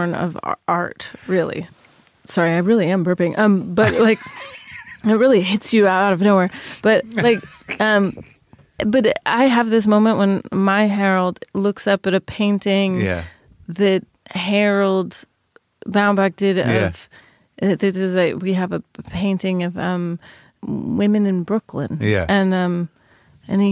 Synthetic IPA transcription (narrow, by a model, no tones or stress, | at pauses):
nʌ̰v̰ʔɑ̰ɹtɹɪlˠḭ | sɑɹiaɪɹɪlˠiɨ̃mbɜ˞pɪ̃ŋʔʌ̃mb̥ʌt̚laɪk | ɨt̚ɹɪlˠiɦɪtsjɨaʊɾaʊɾʌvnoʊwɛɹb̥ʌtlaɪk | ʌ̃m | b̥ʌɾa̰ɪɨvðɪs̬mõʊ̃mə̃nʔwʔə̃nmaɪɦɛɹl̩ˠdlʊksʌpɨɾɨpʰẽɪ̃ntɪ̃ŋjæ̰ | ðɨt̚hɛɹl̩ˠd | bãʊ̃nbæk̚d̥ɪɾʌ̰v̥ | ɨðɨʌzaɪkwiɨvɨpʰẽɪ̃ntɪ̃ŋʌvʌ̰̃m | wɪ̃mɨ̃nɨ̃nbɹʊkʰlə̰̃njæ̰ʔɨ̃nʌ̃m | ɨ̃ni